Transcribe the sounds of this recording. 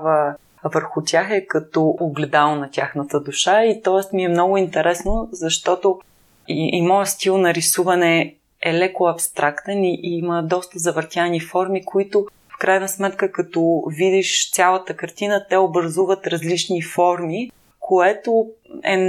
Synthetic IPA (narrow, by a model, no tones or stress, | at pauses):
və | vəɾxʊt̪ʲaxɛkɐt̪ɔʔoɡlɛd̪alˠonɐt̪ʲaxnət̪əd̪uʃait̪ɔɛst̪miɛmnɔɡʊint̪ɛɾɛsnozɐʃt̪ɔt̪o | iʔimɔjəst̪ilˠnɐɾisuvɐnɛ | ɛlɛkʊɐpst̪ɾʔakt̪ɛniʔməd̪ɔst̪əzɐvəɾt̪ʲanifɔɾmikoit̪ʊ | fkɾʔajnɐsmɛt̪kəkɐt̪ɔvid̪iʃt̪sʲjalˠət̪əkɐɾt̪inət̪ɛobɾɐzuvət̪ɾɐzlit͡ʃnifɔɾmi | kʰoɛt̪oɛ̰